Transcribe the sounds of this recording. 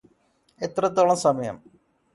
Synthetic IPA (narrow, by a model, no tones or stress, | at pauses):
et̪ːrɐt̪̬ːoːɭɐmsɐmɐjɐ̰m